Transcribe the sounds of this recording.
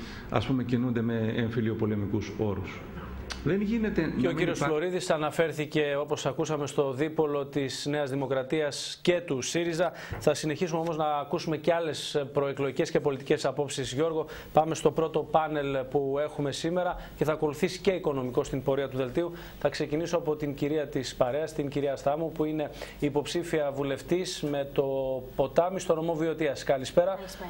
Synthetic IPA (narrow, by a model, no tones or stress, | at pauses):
ɐ̰spume̞cinund̪e̞me̞eɱfilio̞po̞le̞mikuso̞ɾus | ðenʝine̞t̪eeociɾio̞slo̞ɾiðisɐnɐfe̞ɾθice̞o̞po̞sɐkusɐme̞st̪o̞ðipo̞lo̞t̪isne̞ɐzðimo̞kɾɐt̪iɐsce̞t̪usiɾizɐ | θɐsine̞çisumeo̞mo̞znɐːkusume̞ceɐle̞spɾo̞eklo̞ʝice̞sce̞po̞lit̪ice̞sɐpo̞psizʝo̞ɾɣo̞ | pɐme̞st̪o̞pɾo̞t̪o̞pɐne̞lpue̞xume̞sime̞ɾɐce̞θɐːko̞luθisi̥ce̞iko̞no̞miko̞st̪impo̞ɾiɐt̪uðe̞lt̪iu | θɐkse̞cinisoɐpo̞t̪iŋciɾiɐt̪ispɐɾeɐst̪inciɾiɐst̪ɐmupuine̞ːpo̞psifiɐvule̞ft̪izme̞t̪o̞po̞t̪ɐmist̪o̞no̞mo̞vio̞t̪iɐskɐlispe̞ɾɐ